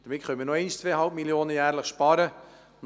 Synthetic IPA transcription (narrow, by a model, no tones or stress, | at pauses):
d̥əɾmɪtχœməɾnoɛɪst͡sʋeːəhɑlp̚miljoːnəjæːɾləχʃpɑːɾə | n